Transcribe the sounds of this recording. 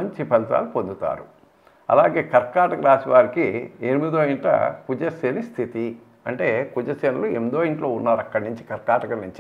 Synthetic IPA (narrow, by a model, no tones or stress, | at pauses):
ɐɲt͡ʃipɛlt̪a̰ːlupond̪ut̪a̰ːɾu | ɐ̰laːɡe̞ːkɐɾkaːʈɐkɐɾaːsiʋaːɾikienimid̪oːiɳʈɐ̰kud͡ʒɐsenist̪ʰit̪i | ɐɳʈe̞ːkud͡ʒɐsenɐluend̪oːiɳʈlo̞ːunːaːɾɐkːɐɽniɲt͡ʃi̥kɐɾkaːʈɐkɐniɲt͡ʃi